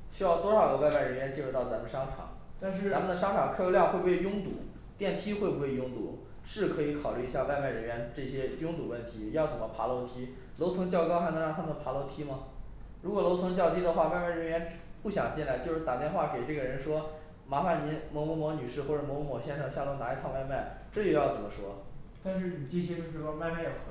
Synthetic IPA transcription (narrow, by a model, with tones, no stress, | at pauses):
ɕy˥jɑ˥˩ʊt̪wɔ˥ʂɑ˨˩ʊɡə˧˩wa˥˧ɪma˥˩ɪɻə˧˥nɥɛ˧˥nt͡ɕi˥˧ɻu˥˩t̪ɑ˥˩ʊt͡sa˧˥mə˨nə˩ʂɑ˥ŋʈ͡ʂʰɑ̰˨˩˦ŋa˧˥mə˨nd̪ə˩ʂɑ˥ŋʈ͡ʂʰɑ˨˩ŋkʰa˥˩˧jo˧˥ljŋxwe˥˧bu˧˥wjʊ˥ŋt̪ṵ˨˩˦ | t̪jɛ˥˩nt̪ʰi˥xwe˥˩ɪbu˧˥we˥˩˥jʊ˥ŋt̪ṵ˨˩˦ | ʂɻ̩˥˩kʰɤ˧˥i˧˥kʰɑ˨˩ʊly˥˩i˧˥ɕja˥˧wa˥˧ɪma˥˩ɪɻə˧˥nɥɛ˧˥nʈ͡ʂɤ˥˩ɕjɛ˥jʊ˥ŋt̪u˨˩wə˥˩nt̪ʰi˧˥jɑ˥˩ʊt͡sə˨˩nmə˦pʰa˧˥lo˧˥ʊt̪ʰi˥ | lo˧˥ʊt͡sʰɤ˧˥ŋt͡ɕjɑ˥˧ʊkɑ˥ʊxa˧˥nɤ˧˥ŋɻɑ˥˩ŋt̪ʰa˥mə˨˩pʰa˧˥lo˧˥ʊt̪ʰi˥mɐ˨ | ɻu˧˥kwɔ˨˩lo˧˥ʊt͡sʰɤ˧˥ŋt͡ɕjɑ˥˧ʊt̪ʰi˥d̪ə˨xwa˥˧wa˥˧ɪma˥˩ɪɻə˧˥nɥɛ˧˥npu˥˩ɕjɑ˨˩ŋt͡ɕi˥˧nla˥˧ɪt͡ɕjo˧ʊʂɻ̩˥˩t̪a˨˩t̪jɛ˥˧nxwa˥˩ke˨˩ɪʈ͡ʂɤ˥˩ɡə˩ɻə˧˥nʂwɔ˥ | ma˧˥fa˧˩nni˧˥nmwɔ˧˥mɔ˧˥mwɔ˧˥ny˨˩ʂɻ̩˥˧xwɔ˥˩ʈ͡ʂɤ˧˩mɔ˧˥mɔ˧˥mwɔ˧˥ɕjɛ˥˧nʂɑ˨˩ŋɕja˥˩lo˧˥˩na˧˥i˧˥t̪ʰɑ˥˧ʊwa˥˧ɪma˥˩ɪʈ͡ʂɤ˥˧jo˥˧˩jɑ˥˩ʊt͡sə˨˩mə˦ʂwɔ˥t̪a˥˧nʂ̬ɻ̩˥˩ni˨˩ʈ͡ʂe˥˩ɕ̬jɛ˥t͡ɕjo˥˧ʊʂɻ̩˥˧˩wa˥˧ɪma˥˩ɪjo˨˩x